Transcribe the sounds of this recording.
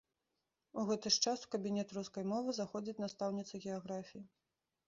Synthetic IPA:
uɣɛt̪ɨʂt͡ʂasu̥kɐbʲinʲɛt̪ɾuskɐjmɔvɨzaxɔd͡zʲit͡sʲnast̪awnʲit̪sɐɣʲɛaɣɾafʲiji

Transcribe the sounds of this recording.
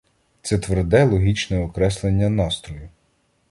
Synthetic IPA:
t̪sɛt̪ʋerd̪ɛlˠɔɦʲit͡ʃnɛɔkɾɛslˠenʲːɐnɑst̪ɾɔjʊ

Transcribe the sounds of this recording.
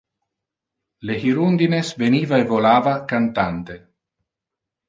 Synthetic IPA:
leɦiɾund̪inesveniːvaevolaːvakant̪ant̪e

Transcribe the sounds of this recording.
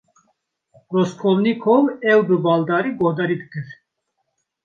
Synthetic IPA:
ɾɔskʰɔlnikʰɔvɛwbəbald̪aɾibɔd̪ɛɾid̪kəɾ

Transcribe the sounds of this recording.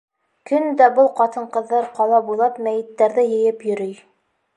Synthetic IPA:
kɵnd̪æbɤlˠqɑt̪ɤɴqɤ̆ðːɑɾqɑlˠɑbulˠɑpmæjɘ̆t̪ːæɾðɘjɘ̆jɘpjɵ̆ɾɘj

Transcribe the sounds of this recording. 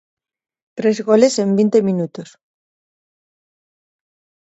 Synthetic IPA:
t̪ɾezɣolesembint̪eminut̪os

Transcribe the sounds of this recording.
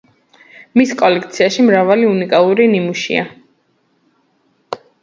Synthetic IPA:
miskʼɔlɛkʰt̪sʰiaʃimɾavaliunikʼalˠuɾinimuʃḭa

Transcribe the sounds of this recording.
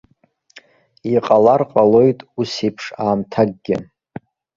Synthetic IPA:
iqʼalarqʼalo̞jtʼusipʰʂaːmtʰaɡ̚ɡʲɪ̰

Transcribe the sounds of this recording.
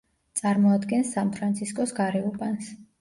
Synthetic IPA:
t̪sʼaɾmɔad̪ɡɛnsːanpʰɾant̪sʰiskʼɔsɡaɾɛubʼans

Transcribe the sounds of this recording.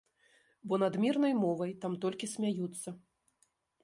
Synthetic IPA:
bɔnɐd̪mʲirnɐjmɔvɐjt̪amt̪ɔlʲkʲisʲmʲajut̪sːɐ

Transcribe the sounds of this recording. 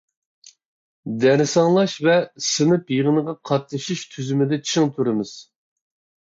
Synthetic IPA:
d̪ɛɾɨsɑŋlˠɑʃvɛsɨnɨpjiʁɨnɨʁɑqʰɑt̪nɨʃiʃt̪ʰyzymɪd̪ɛt͡ʃʰɨŋt̪ʰuɾɨmɨz̥

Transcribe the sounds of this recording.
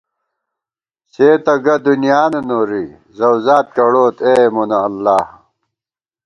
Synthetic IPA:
seːt̪ɐɡɐd̪unijaːnɐnoːɾi | zɐwzaːt̪̚kɐɽoːt̪eːmonɐːlːaːh

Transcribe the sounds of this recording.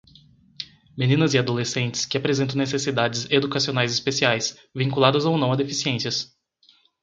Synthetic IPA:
mẽnĩnɐziad̪olesẽnt͡ʃɪ̥skɪapɾezẽt̪ɐ̃w̃nesesid̪ad͡ʒɪzed̪ukasionajzɪspesiajs | vĩŋkulad̪ɐzownɐ̃w̃ɐd̪efisiẽsiɐs

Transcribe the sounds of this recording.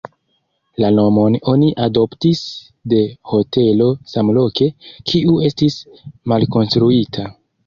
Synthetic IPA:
lano̞mo̞no̞niʔado̞ptis | de̞ho̞te̞lo̞samlo̞ke̞kʰiʔue̞stis | malko̞nstɾuitʰa

